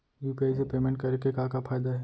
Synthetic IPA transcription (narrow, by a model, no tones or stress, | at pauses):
juːpiaːɪs̬epeːmẽɳʈkɐɾekekãːkafaːɪd̪aɦɛː